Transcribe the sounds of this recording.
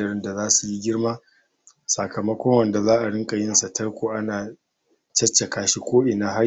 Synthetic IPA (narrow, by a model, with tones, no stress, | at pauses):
ɐ˨ɾɪ˦nda˨zaː˦su˨ji˦ɡʲɪ˦ɽmaː˦ | sa˨kɐ˨mɐ˦kʷɔ˦ŋwɐ˦˨nda˨zaː˦ʔa˨ɽɪ˦ŋkʼɐ˨jɪ˦nsa˨tɐ˦ɽkʷoː˨ʔa˦naː˨ | t͡ʃɐ˦t͡ʃːe˨kaː˦ʃi˦kʷoː˦ʔɪ˨naː˦ɦa˦